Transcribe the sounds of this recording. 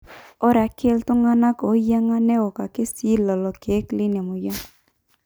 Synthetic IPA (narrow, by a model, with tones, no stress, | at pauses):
ɔ˦ɾɛ˨a˨ke˦ltʊ˦ŋa˦na˦kɔ˨˦ja˦ŋa˦nɛ˦ɔ˨ka˨ke˦si˦lɔ˨lɔ˨ke˨˦klɪ˦nɛ˨mo˨ja˦ŋ